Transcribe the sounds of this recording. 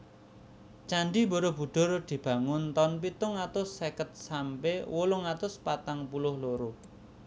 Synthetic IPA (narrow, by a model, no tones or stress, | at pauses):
t͡ʃaɳɖiboɾɔb̥ṳɖ̪̥ʊ̤rd̪̥i̤b̥ä̤ŋʊnt̪ɔnpit̪ʊŋat̪ʊsːekət̪̚sampewolʊŋat̪ʊspat̪aŋpulʊhloɾo